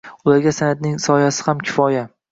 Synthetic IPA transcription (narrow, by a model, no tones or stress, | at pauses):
ʊlaɾɡʲasanad̪nɪŋsɒjasɪ̥hamkʲʰɪ̥fɒja